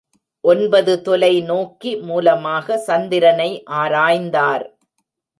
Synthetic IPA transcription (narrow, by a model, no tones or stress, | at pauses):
ʔɔnbɐðɯt̪ɔlɐɪnoːkimuːlɐmaːɣɐsɐnd̪ɪɾɐnɐɪʔaːɾaːjnd̪aːɾ